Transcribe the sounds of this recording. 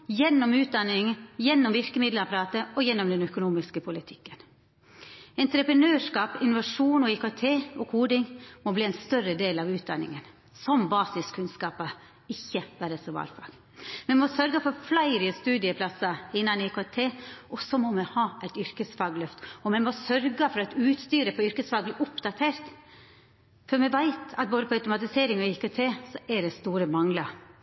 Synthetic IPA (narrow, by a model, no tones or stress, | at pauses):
jɛnːɔmʉːt̪̚d̪ɑnːɪŋjɛnːɔmʋɪɾkəmɪd̪ləɾɑpɑɾɑːt̪əɔjɛnːɔmd̪ɛnœkʊnuːmɪskəpʰʊlɪt̪ʰɪ̥kːən | ɛnt̪ɾəpɾənøːʂkɑːpɪnʊʋɑʂuːnɔiːkoɛt̪ʰeːɔːɡhuːd̪ɪŋmɔbliːæɛnst̪œɾəd̪eːlɑʋʉːt̪̚d̪ɑnːɪ̰ŋən | sɔmbɑːsɪskʰʉnskɑːpɑ | ɪçːəʋæːɾəsɔʋɑ̰ːɾfɑ̰ːɡ | mɛmɔsœɾɡəfɔɾflæɪɾɪəst̪ʉːd̪ɪəpʰlɑsɑɪnːɑnɪɪkoɛt̪ʰeːʔɔsɔmɔmɛhɑːʔæɪt̪ʏɾkəsfɑːɡlœft̪ɔmɛmɔsœɾɡəfɔɾɑt̪ʉːt̪st̪yːɾəpɔʏɾkəsfɑːɡ̚blɪʔʊpd̪ɑt̪ʰeːɾt̪ | fɔɾmɛʋæɪt̪ɑ̰t̪̚boːd̪əpʰɔɑʉt̪ʊmɑt̪ɪseːɾɪŋɔɪkøt̪ʰeːsɔʔɛɖ̪ɛst̪uːɾəmɑŋlɑɾ